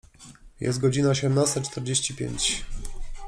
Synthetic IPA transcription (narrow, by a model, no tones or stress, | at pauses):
jʔɛ̰st̪ɡɔd͡ʑinaɔɕ̬ɛmnast̪at͡ʂt̪ɛɾd͡ʑeɕt͡ɕipʲjḛɲt͡ɕ